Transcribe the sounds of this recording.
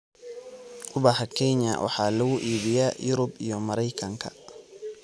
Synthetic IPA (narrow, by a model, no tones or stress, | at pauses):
kʰʊbɑħɐkʰɛɲɐ̰wʔɑ̰ħɑːlɐɣʊʔiːβɪjaːjʊɾʊbijɔmɐɾɛjkʰɐŋkʰɐ̰